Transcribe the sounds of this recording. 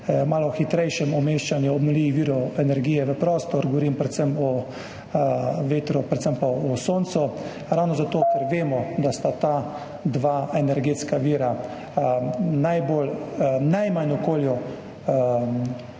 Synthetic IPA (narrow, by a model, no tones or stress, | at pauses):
maːlɔxit̪ɾɛjʃɛmɔmeːʃt͡ʃanjuɔbmɔliːʋiʋiːɾɔɛnɛɾɡiːjɛʋəpɾɔːst̪ɔɾɡɔʋɔɾiːmpɾɛt̪səmɔ | ʋeːt̪ɾɔpɾɛt̪səmpaɔsoːnt̪sɔ | ɾawnɔzat̪oːkɛɾʋeːmɔd̪ast̪at̪a | d̪ʋaːɛnɛɾɡeːt̪skaʋiːɾa | najbolnajmanɔkoːljɔ